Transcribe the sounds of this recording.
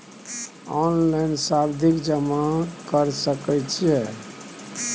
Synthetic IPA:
ɔnlajnsabd̪ʱikd͡ʒəmakəɾsəkɛjt͡ʃʰiɛ

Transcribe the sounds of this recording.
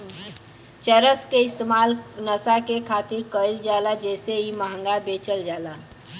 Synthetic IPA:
t͡ʃəɾəskeɪst̪emalnəsakekʰaːt̪iɾkəild͡ʒalad͡ʒɛseiməɦə̃ŋɡabet͡ʃəld͡ʒala

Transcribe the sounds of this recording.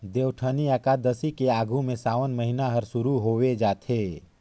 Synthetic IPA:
d̪eːwʈʰəniakad̪əsikeaːɡʱũmẽsaːʋənməɦinaɦəɾsʊɾuɦoːʋed͡ʒaːt̪ʰeː

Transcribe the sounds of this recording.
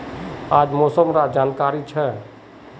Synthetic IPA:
ad͡ʒmɔsəmɾad͡ʒankaɾit͡ʃʰɛ

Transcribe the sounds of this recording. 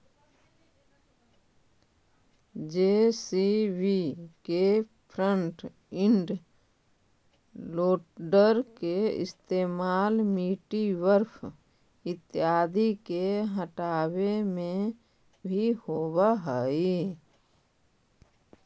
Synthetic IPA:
d͡ʒesiwikepʰɾəɳʈ | ɪɳɖ | loːʈɖəɾkeɪ̰st̪eːmaːlmiːʈiʋəɾpʰ | ɪt̪jaːd̪ikeɦəʈaːwemẽ | bʱihoːbaɦəi

